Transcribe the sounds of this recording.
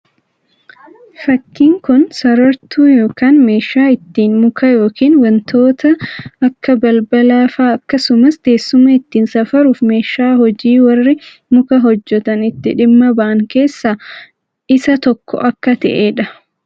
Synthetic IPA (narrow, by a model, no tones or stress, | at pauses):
fɐkːiːŋkʊnsɐɾɐɾt̪ʰuːjo̞ːkaːnme̞ːʃːaːɪt̪ːiːnmʊkʰɐjo̞ːkiːnwɐnt̪ʰoːt̪ɐɐkːɐbɐlbɐlaːfaːɐkːɐsʊmɐsd̪̥e̞ːsːʊmɐɪt̪ːiːnsɐfɐɾuːfme̞ːʃaːhɔd͡ʒiːwɐrːɪ | mʊkɐɦɔd͡ʒːɛt̪ɐnɪt̪ːɪᶑɪmːɐbɐʔɐŋke̞ːsːaː | ɪsɐt̪ɔkːɔ̰ʔɐkːɐt̪ɛ̰ʔeːᶑɐ